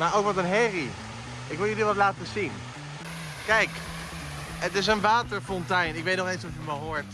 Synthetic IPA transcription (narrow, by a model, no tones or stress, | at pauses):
maːɹowkʋɑtənɦɛri | ɪkʋɪlˠjəliʋɑtlaːtəzin | kɛjk | ətɪs̬ənʋaːtəɹfɔntɛjnɪkʋejtnɔχensɔfjəməɦoːɹt